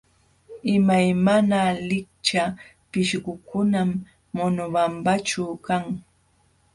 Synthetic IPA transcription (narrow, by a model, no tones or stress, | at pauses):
ɪmajmanalɪk̚t͡ʃa | pɪʃɢʊkʊnamː | ʊnʊwampat͡ʃakaŋ